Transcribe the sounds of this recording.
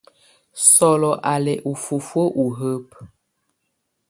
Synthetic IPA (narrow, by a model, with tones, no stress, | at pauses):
sɔ˨lɔ˨ʔa˨lɛ˨ʔu˨fu˨fo˦ʔu˨ɦə˦p̚